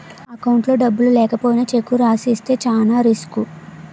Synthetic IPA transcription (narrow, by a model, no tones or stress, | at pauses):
ɐkɐwuɳʈlo̞ːɖɐbːululɛːkɐpo̞ːjinɐt͡ʃe̞kːuɾaːsist̪e̞ːt͡ʃaːnaːɾisku